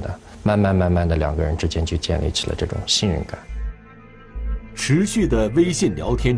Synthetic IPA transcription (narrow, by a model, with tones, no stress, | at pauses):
d̪ə˩ | ma˥˧nma˥˧nma˥˧nma˥˩nd̪ə˩ljɑ̰˨˩ŋɡə˧ɻə˧˥nʈ͡ʂɻ̩˥t͡ɕjɛ˥nt͡ɕjo˥˧t͡ɕjɛ˥˧nlḭ˥˩t͡ɕʰi˨˩lə̰˦ʈ͡ʂɤ˥˩ʈ͡ʂʊ̰˨˩ŋɕi˥˧nɻə̰˥˧nka˨˩˦n | ʈ͡ʂʰɻ̩˧˥ɕy˥˩d̪ə˩we˥ɪɕi˥˩nljɑ̰˧˥ʊt̪ʰjɛ˥n